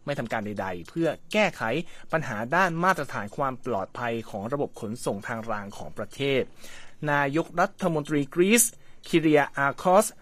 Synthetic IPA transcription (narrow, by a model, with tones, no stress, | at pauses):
ma˥˩jt̪ʰa˧mkaː˧nda˧jda˧jpʰɯ˥˩ɐkɛː˥˩kʰa˩˦jpa˧nɦaː˩˦daː˥˩nmaː˥˩t̪̚ːɾa˧t̪ʰaː˩˦nkʰwaː˧mplɔ̰ː˨˩t̪̚pʰa˧jkʰɔː˩˦ŋɾa˧bo˨˩p̚kʰo˩˦nso˨˩ŋt̪ʰaː˧ŋɾaː˧ŋkʰɔː˩˦ŋpɾa˧t̪ʰeː˥˩t̪̚naː˧jo˦˥k̚ɾa˦˥t̪ʰːa˧mo˧nt̪ɾiː˧kɾiː˦˥s | kʰi˧ɾiː˧aʔaː˧kʰɔː˦˥s